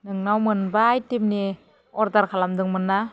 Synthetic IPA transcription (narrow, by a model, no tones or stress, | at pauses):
nɯŋnawmɯnbaːjtim̚ni | ɔɾdaɾkʰalamdɯŋmɯnːa